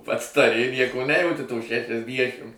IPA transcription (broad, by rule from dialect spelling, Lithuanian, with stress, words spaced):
ˈpɐts tɐˈrʲɪ ˈnʲiɛkoː ˈnʲæːjɛʊtʲɪ toː ʃʲɛʃʲɛzʲˈdʲiɛʃʲɪm